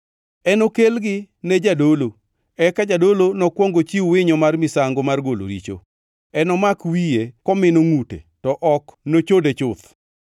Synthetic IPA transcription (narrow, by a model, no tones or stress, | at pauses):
ɛnokelɡɪ | nɛd͡ʒadolo | ɛkad͡ʒadolonɔkwɔŋɡot͡ʃiwɪɲɔmarmɪsaŋɡomarɡolo̰ɾḭt͡ʃo̰ | ɛnɔmakwijekɔmɪnoŋutḛtɔʔɔknot͡ʃodet͡ʃʊt̪